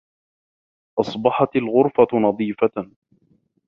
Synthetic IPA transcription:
ʔɑsˤbɑħɑt̪alɣʊɾfanɑðˤiːfa

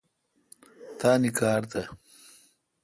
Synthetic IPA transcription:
t̪aːnikaːɾt̪ɐ

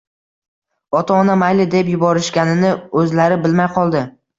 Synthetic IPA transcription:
ɒt̪ʰɒːnamajlɪd̪epjʊbɒɾɪʃkʲanɪnɪɵzlaɾɪbɪlmajqʰɒlˠd̪ɪ

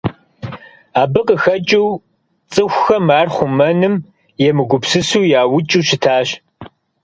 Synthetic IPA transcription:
aːbɨqʼəxɐt͡ʃʼiw | t͡sʼɨxʷxɐmaːrχʷʊmɐnɨm | jɛmɨɡʷʊpsɨsuːjaːwʊt͡ʃʼuɕɪtʰaːɕ

